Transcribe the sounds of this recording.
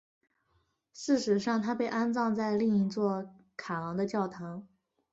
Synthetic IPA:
ʂɻ̩˥˩ʂɻ̩˧˥ʂɑ˥˧ŋt̪ʰa˥pe˥˩ɪʔa˥nt͡sɑ˥˧ŋt͡sa˥˧ɪli˥˧ŋi˧˥t͡swɔ˥˩ | kʰa˨˩lɑ˧˥ŋd̪ə˧t͡ɕjɑ˥˩ʊt̪ʰɑ˧˥ŋ

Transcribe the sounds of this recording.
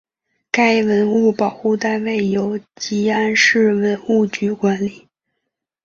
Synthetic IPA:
ka˥ɪwə˧˥nu˥˩pɑ˨˩ʊxu˥˧t̪a˥˧nwe˥˩ɪjo˧˥ʊt͡ɕi˧˥a˥nʂɻ̩˥˩wə˧˥nu˥˩t͡ɕy˧˥kwa˧˥nli˨˩˦

